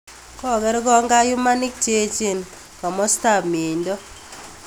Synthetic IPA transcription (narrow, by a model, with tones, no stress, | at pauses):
kɔ˦˨ɡɛ˦ɾɡɔ˦ŋɡa˦jʊ˦ma˦nɪ˦k̚t͡ʃe˦t͡ʃe˦˨n | kɔ˨mɔ˦sta˦˨bmi˨ndɔ˦